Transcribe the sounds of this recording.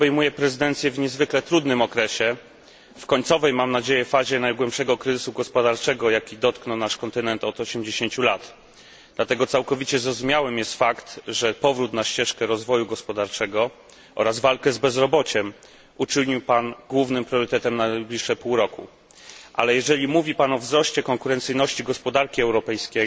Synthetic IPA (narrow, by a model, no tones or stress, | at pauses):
bɛjmujɛpɾɛzɘd̪ɛnt̪sʲjɛvɲɛzvɘklɛt̪ɾud̪nɘmɔkɾɛɕɛ | fkɔɲt̪sɔvɛjmamnad͡ʑejɛfaʑɛnajɡwɛmpʂɛɡɔkɾɘzɘsuɡɔspɔd̪aɾt͡ʂɛɡɔjakʲid̪ɔt̪knɔwnaʂkɔnt̪ɘnɛnt̪ɔd̪ɔɕɛmd͡ʑeɕeɲt͡ɕulat̪ | d̪lat̪ɛɡɔt̪sawkɔvʲit͡ɕɛzɾɔzumʲjawɘmjɛst̪fakt̪ʐɛpɔvɾut̪naɕt͡ɕɛʂkɛɾɔzvɔjuɡɔspɔd̪aɾt͡ʂɛɡɔ | ʔɔ̰ɾazvalkɛzbɛzɾɔbɔt͡ɕɛm | ut͡ʂɘwɲiwpanɡwuvnɘmpɾʲjɔɾɘt̪ɛt̪ɛmnajblʲiʂːɛpuwɾɔkṵ | ʔa̰lɛjɛʐɛlʲimuvʲipanɔvzɾɔɕt͡ɕɛkɔŋkuɾɛnt̪sɘjnɔɕt͡ɕiɡɔspɔd̪aɾkʲiɛwɾɔpɛjskʲej